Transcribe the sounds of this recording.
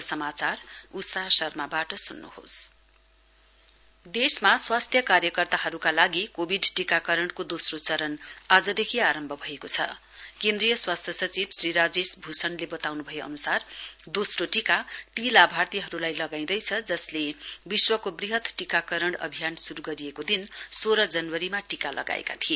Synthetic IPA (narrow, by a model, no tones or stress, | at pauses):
sʌmat͡sarut̪saɦsʌrmabaʈʌsunːṵho̰s | d̪esmaswast̪ʰjʌkarjʌkʌrt̪aɦʌɾukalaɡikobʱiɖʈikakʌɾʌɳɖkod̪osrot͡sʌɾʌnad͡zʌd̪ekʰiaɾʌmbʱʌbʱʌekot͡sʰʌ̰ | kẽnd̪rijʌswast̪ʰjʌsʌt͡sibsriɾad͡zesbʱusʌnlebʌt̪awnubʱʌjeʌ̰nusard̪osroʈikat̪ilabʱart̪iɦʌɾulajlʌɡaĩd̪ʌjt͡sʰʌd͡zʌslebiswʌkobriɦʌt̪ʈikakʌɾʌɳɽʌ̰bʱijansuɾuɡʌɾijekod̪insoɾʌd͡zʌnwʌɾimaʈikalʌ̰ɡa̰ḛka̰t̪ʰie